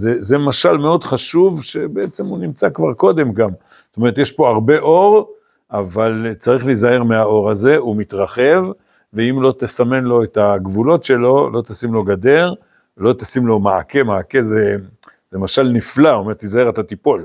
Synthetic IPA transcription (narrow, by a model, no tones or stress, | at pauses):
zezemaʃalmeo̞dχaʃuvʃe̞beet͡semunimt͡sakvaʁko̞d̪e̞mɡam | zot̪ome̞ʁt̪jeʃpo̞aʁbe̞ʔo̞ʁ | ʔavalt͡saʁiχlizaeʁmeao̞ʁaze̞umit̪ʁaχe̞v | veimlo̞t̪esame̞nlo̞et̪aɡvulo̞tʃe̞lo̞lo̞t̪asimlo̞ɡad̪e̞ʁ | lo̞t̪asimlo̞maake̞maakeze | zemaʃalniflaomeʁt̪izaeʁat̪at̪ipo̞l